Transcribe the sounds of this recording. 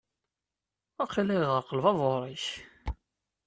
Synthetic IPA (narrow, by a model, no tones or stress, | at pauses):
æqːilɪʁəɾqəlvɑðˤoɾˤiç